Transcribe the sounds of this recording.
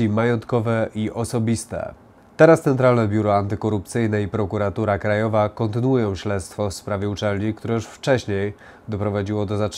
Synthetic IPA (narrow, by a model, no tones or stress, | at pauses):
imajɔnt̪kɔvɛʔiʔɔsɔbʲist̪ɛ̰ | t̪ɛɾast̪sɛnt̪ɾalnɛbʲjuɾɔant̪ɘkɔɾup̚t̪sɘjnɛipɾɔkuɾat̪uɾakɾajɔvakɔnt̪ɘnuwujɔ̃w̃ɕlɛt̪st̪fɔfspɾavʲjɛut͡ʂɛlɲikt̪uɾɛjuʂft͡ʂɛɕɲej | d̪ɔpɾɔvad͡ʑiwɔd̪ɔza